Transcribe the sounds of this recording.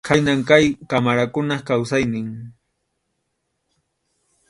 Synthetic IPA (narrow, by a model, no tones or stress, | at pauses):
kʰajnaŋkajkamaɾakʊnaχkawsajnɪŋ